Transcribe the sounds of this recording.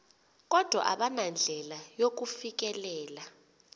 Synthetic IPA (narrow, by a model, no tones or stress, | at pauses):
k̬ʼɔd̥ʱwa̰ʔaɓanand͡ɮʱɛlajok̬ufik̬ʼɛlɛːla